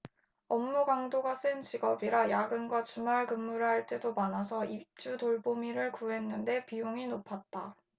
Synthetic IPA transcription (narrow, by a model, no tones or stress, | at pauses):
ʌmːuɡaŋdoɡas͈ɯnt͡ɕiɡʌbiɾajaɡɯnɡwat͡ɕumaɭkɯmːuɾɯɭhaɭt͈e̞domanasʰʌip̚t͡ɕ͈utoɭbomiɾɯɭkuɦe̞nːɯnde̞pijoŋinopʰat̚t͈a